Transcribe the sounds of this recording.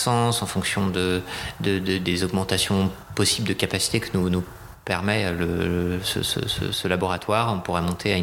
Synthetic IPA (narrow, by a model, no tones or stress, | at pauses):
sɑ̃sɑ̃fɔ̃ksjɔ̃d̪əd̪əd̪əd̪ezɔɡmɑ̃t̪asjɔ̃pɔsibld̪əkapasi̥t̪ekʲinunu | pɛʁmɛləsə̰sə̰sə̰səlabɔʁat̪waːʁɔ̃puʁɛmɔ̃t̪ʰea